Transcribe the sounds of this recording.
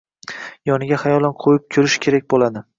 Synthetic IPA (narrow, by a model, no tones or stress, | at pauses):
jɒnɪɡʲahajɒlˠanqʰojɪp̚kʲʰɵɾɪʃkʲʰe̞ɾak̚ʲbolad̪ɪ